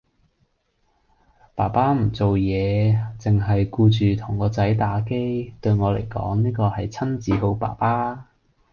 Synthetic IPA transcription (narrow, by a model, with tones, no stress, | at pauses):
paː˨˩paː˥m̩˨˩t͡so˨wjɛː˨˧t͡sɪ˨ŋɦɐ˨jkuː˧t͡ʃyː˨t̪ʰʊ˨˩ŋkɔː˨˧t͡sɐ˨˥jt̪aː˨˥ke˥jt̪ɵ˧ɥŋɔː˨˧lḛ˨˩jkɔ̰ː˨˥ŋniː˥kɔː˧hɐ˨jt͡sʰɐ˥nt͡siː˨˥ɦo˨˥wpa̰ː˨˩paː˥